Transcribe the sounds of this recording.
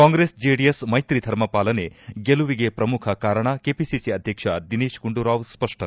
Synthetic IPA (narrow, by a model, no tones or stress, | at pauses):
kaːŋɡɾesd͡ʒeɖijesmɐjt̪ɾid̪ʱɐɾmɐpaːlɐneɡeluʋiɡepɾɐmukʰɐkaːɾɐɳ̃akepisisiɐd̪ʱjɐkʂɐd̪iniːʃɡuɳɖuɾaːʋspɐʂʈʰɐ